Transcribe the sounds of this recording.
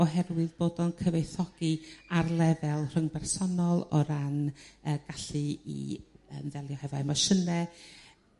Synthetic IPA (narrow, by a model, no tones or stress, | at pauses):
ɔɦɛrwɨðboːdɔnkʰəvejθɔɡ̥iarlˠɛvɛlˠr̥əŋbɛrsɔnɔlˠɔɾanəɡ̥aɬɨḭə̰nðɛlˠjɔhɛvajmaʃənɛ